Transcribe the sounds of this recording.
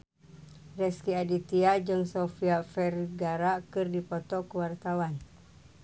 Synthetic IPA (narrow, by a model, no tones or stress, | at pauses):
rɛskiadit̪iad͡ʒɨŋsofiafɛrɡaɾakɨrdipɔt̪ɔkəwart̪awan